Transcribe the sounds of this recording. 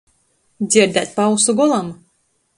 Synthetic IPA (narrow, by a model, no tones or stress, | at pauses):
d̪zʲiɾd̪at̪̚ʲpawsuɡɔlˠam